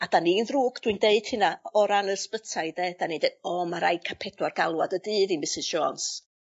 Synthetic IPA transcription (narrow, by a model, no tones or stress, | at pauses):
ad̥aniːnðruːɡd̥windeɨd̥hɨnaɔɾanəspətʰajdeːd̥anidedɔːmaɾajkʰapʰɛdwarɡalˠwadədɨːðimɪsɨzd͡ʒɔːns